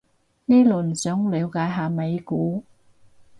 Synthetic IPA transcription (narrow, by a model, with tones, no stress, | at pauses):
niː˥lɵ˨˩nsœː˨˥ŋli˨˧wkaː˨˥jɦaː˨me˨˧jkuː˨˥